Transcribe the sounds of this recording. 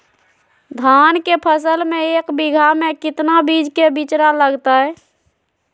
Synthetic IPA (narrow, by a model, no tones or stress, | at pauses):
d̪ʱankepʰəsəlmẽekbiɡʱamekɪt̪nabid͡ʒʱkebit͡ʃɾaləɡt̪aɛ